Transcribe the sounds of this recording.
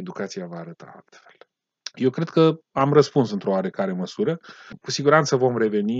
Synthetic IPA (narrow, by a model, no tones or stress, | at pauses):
ed̪ukat̪siavaːɾət̪a̰a̰lt̪fe̞̥l | je̞wkɾe̞d̪̥̚kəamrəspunsɨnt̪ɾo̞oaɾekaɾe̞məsuɾəkusiɡuɾant̪səvo̞mre̞ve̞ni